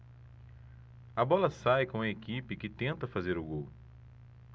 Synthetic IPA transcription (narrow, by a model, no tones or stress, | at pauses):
ɐbɔlɐsajkõɐekipɪkɪt̪ẽnt̪ɐfazeɾʊɡow